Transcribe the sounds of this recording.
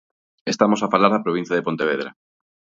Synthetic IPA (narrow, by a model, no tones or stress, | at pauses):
est̪amosafalaɾðɐpɾoβ̞ĩn̟θjaðepont̪eβeðɾa̰